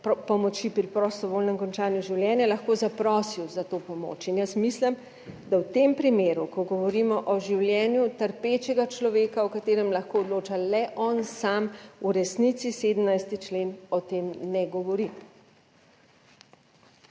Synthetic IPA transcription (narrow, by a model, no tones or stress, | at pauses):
ppɔmɔt͡ʃipɾipɾɔst̪ɔʋoːlnɛmkɔnt͡ʃaːnjuʒiwljɛːnjɛlaɐxkoːzapɾɔːsiwzat̪oːpɔmo̰ːt͡ʃinjəsmislim | d̪awt̪empɾimeːɾukɔɡɔʋɔɾimɔʔɔʒiwljɛːnjut̪əɾpet͡ʃɛɡat͡ʃlɔʋeːkaɔkat̪eːɾɛmlaxkoːɔd̪loːt͡ʃalɛʔɔnsamuɾɛsnit̪siseːd̪əmnajst̪it͡ʃleːnɔt̪emnɛɡɔʋɔɾi